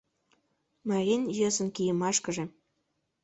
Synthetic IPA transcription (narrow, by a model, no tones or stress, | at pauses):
mɑɾenʲjøsə̆nkijəmɑʃkə̆ʒĕ